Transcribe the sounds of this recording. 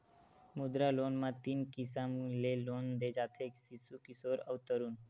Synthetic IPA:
mud̪ɾaloːnmãt̪inkisamleloːnd̪eːd͡ʒaːt̪ʰeksisukisoːɾəʋt̪əɾun

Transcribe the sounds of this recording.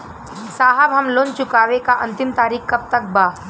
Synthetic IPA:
saːɦəbʱɐmloːnt͡ʃʊkaːʋekaʔɐ̃nt̪ɪmt̪aːɾiːkkɐb̚t̪ɐk̚baː

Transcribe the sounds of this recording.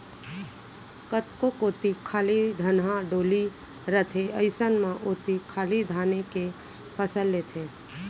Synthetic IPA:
kət̪kokoːt̪ikʰaːlid̪ʱənɦãɖoːli | ɾət̪ʰeəɪsənmãʔot̪ikʰaːlid̪ʱaːneke | pʰəsəlːeːt̪ʰe

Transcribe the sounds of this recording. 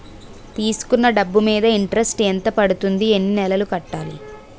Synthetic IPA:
t̪iːsu̥kunːɐɖɐbːumiːd̪ɐiɳʈɐɾɐsʈeːnt̪ɐpɐɽut̪und̪ie̞nːinɛlɐlukɐʈːaːli

